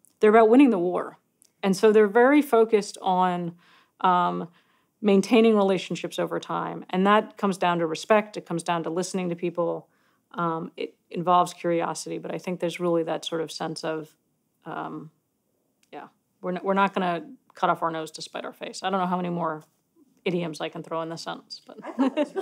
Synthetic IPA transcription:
ðə˞əbaʊt̚wɪ̃ɾ̃ɪ̃ŋðəwɔɹ | ɨ̃nsoʊðə˞vɛɹifoʊkɨstn̩ | ʔʌ̃m | mẽɪ̃ntʰẽɪ̃ñɪ̃ŋɹileɪʃn̩ʃɪpsoʊvə˞tʰãɪ̃mɨ̃nðət̚kʰʌ̃mzdãʊ̃ntɨɹɨspɛk̚tɨt̚kʰʌ̃mzdãʊ̃ntəlɪsnɪ̃ŋtɨpʰipl̩ˠ | ʔʌ̃mɪ̰ɾ | ɨ̃ɱvɑlˠvz̥kʰj̥ʊɹiɑ̰sɨɾibʌɾaɪθɪ̃ŋk̚ðə˞zɹɪlˠiðɨtsɔɹɾʌv̥sɛ̃nsʌv̥ | ʔʌ̃m | jæ̰ | wɪɹnwɪɹnət̚ɡ̥ʌnɨkʰʌɾɔfaʊ˞noʊzdɨspaɪɾa̰ʊə˞feɪsaɪɾõʊ̃nːoʊɦaʊmɛ̃nimɔɹ | ɪɾiɨ̃mzaɪkn̩θɹ̥oʊə̃nðɨsɛ̰̃nn̩sb̥ʌt̚

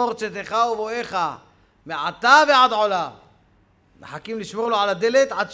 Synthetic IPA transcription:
oʁt͡set̪eχauvoeχa | meʕat̪aveʕad̪ʕo̞la | neħakimliʃmo̞ʁloʕalad̪elet̪ʕad̪

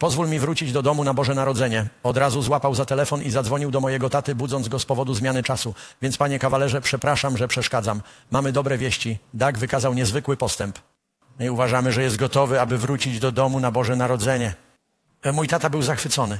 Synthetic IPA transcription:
pɔzvulmʲivɾut͡ɕid͡ʑd̪ɔd̪ɔmunabɔʐɛnaɾɔd̪zɛɲɛɔd̪ɾazuzwapawzat̪ɛlɛfɔnizad̪zvɔɲiwd̪ɔmɔjɛɡɔt̪at̪ɘbudzɔnzɡɔspɔvɔd̪uzmʲjanɘt͡ʂasuvʲjɛnt̪spaɲɛkavalɛʐɛpʂɛpɾaʂamʐɛpʂɛʂkad̪zamːamɘd̪ɔbɾɛvʲjeɕt͡ɕid̪aɡvɘkazawɲɛzvɘkwɘpɔst̪ɛmp | iuvaʐamɘʐɛjɛst̪̚ɡɔt̪ɔvɘabɘvɾut͡ɕid͡ʑd̪ɔd̪ɔmunabɔʐɛnaɾɔd̪zɛɲɛ | mujt̪at̪abɘwzaxfɘt̪sɔnɘ

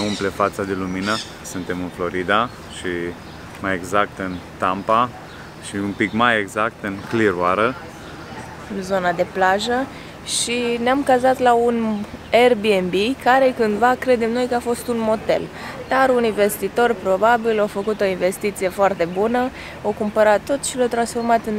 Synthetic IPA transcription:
umplefat̪sad̪eluminə | sɨnt̪e̞mɨnflo̞ɾid̪a | ʃi | majeɡzak̚t̪ɨnt̪ampa | ʃiumpikmajeɡzak̚t̪ɨnkliɾuaɾə | ɨnzo̞nad̪e̞plaʒə | ʃineamkazat̪launerbiembikaɾe̞kɨnd̪vakɾe̞d̪e̞mno̞jkəafo̞st̪unmo̞t̪ḛld̪̥aɾuninve̞st̪it̪o̞rpɾo̞babilawfəkut̪o̞inve̞st̪it̪sije̞foart̪e̞bunə | awkumpəɾat̪ːo̞t̪ʃilawt̪ɾansfo̞rmat̪ɨn

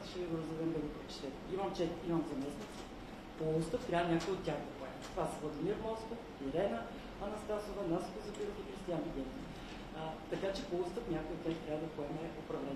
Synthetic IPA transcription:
ʃɛviɡʊɾəzd̪ɛd̪ɛmd̪ɐɡopɾɛt͡ʃɛ̥t̪ɛt̪ɛimɐmt͡ʃɛt̪imɐmzɐmɛsnʲit̪si̥ | polˠust̪əft̪ɾʲavənʲakʊjot̪ʲːjaxd̪ɐpoɛmɛt̪ovasvlˠɐd̪imiɾmɔsk̪of | iɾɛnə | ɐnɐst̪asʊvɛnaso̥k̪ozɐpiɾofixɾist̪ijanvid̪ʲɛnzi | t̪ɐkat͡ʃɛpoust̪əfnʲakojot̪tʲːaxt̪ɾʲavəd̪ɐpoɛmɛopɾɐvlɛn

